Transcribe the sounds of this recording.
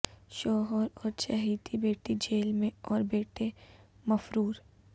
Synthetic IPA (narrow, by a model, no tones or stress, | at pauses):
ʃɔːɦəɾɔːɾt͡ʃɐɦiːt̪ibeːʈid͡ʒeːlmẽɔːɾbeːʈe | mɐfɾuːɾ